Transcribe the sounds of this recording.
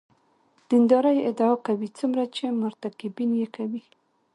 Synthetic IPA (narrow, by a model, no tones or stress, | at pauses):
d̪̥ind̪ɑɾəjɪd̪aɑkawit͡sumɾat͡ʃemʊɾt̪akɪbinjekawi